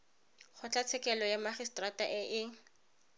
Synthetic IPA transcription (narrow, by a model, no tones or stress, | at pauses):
χʰʊt͡ɬʼat͡sʰɛkʼɛlɔjamaχistrataʔɛʔɪ